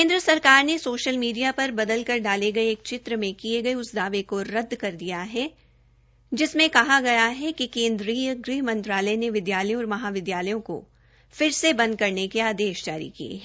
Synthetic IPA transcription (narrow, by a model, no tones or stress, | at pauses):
kẽːnd̪ɾəsɐɾkaːɾnesoːʃəlmiːɖijapɐɾbɐd̪əlkɐɾɖaːleɡɐeeːk̚t͡ʃɪt̪ɾəmẽkieɡɐeʊsd̪aːʋekoɾɐd̪ʱːkɐɾd̪ijaɦɛ | d͡ʒɪsmẽkɐɦaɡɐjaɦɛkikẽːnd̪ɾiːjəɡɾiːɦmɐ̃nt̪ɾaːləneʋɪd̪jaːləjõɔːɾmɐɦaːʋɪd̪jaːlɐjõko̰ | fɪɾsebɐ̃nd̪̚kɐɾnekiaːd̪eːʃd͡ʒaːɾḭkiḛɦ